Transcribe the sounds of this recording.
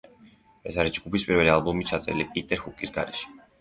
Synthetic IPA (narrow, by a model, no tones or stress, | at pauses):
ɛsaɾisd͡ʒɡupispʼiɾvɛlialbumit͡ʃʰat̪sʼɛ̰ɾilipʼit̪ʼɛɾhukʼisɡa̰ɾɛʃɛ̥